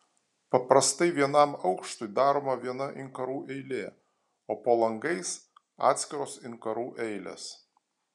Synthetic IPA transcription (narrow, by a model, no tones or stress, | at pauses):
pɐpɾɐst̪ɐɪʋʲiɛnɐmɒʊkʃt̪ʊɪd̪ɑːɾoːmɐʋʲiɛnɐʔɪŋkɐɾuːʔɛɪlʲeː | oːpoːlˠɐŋɡɐɪs | ɑ̰ːt̪ʲsʲkʲɪɾoːsɪnkɐɾuːʔɛɪlʲḛs